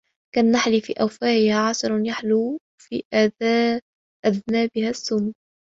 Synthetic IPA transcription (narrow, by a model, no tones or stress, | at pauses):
kanːaħliːfḭːʔawfaːʔɪhaʕɑsˤɑɾˤjaħlu | fḭːʔad | ʔaðnaːbɪhasːʊmu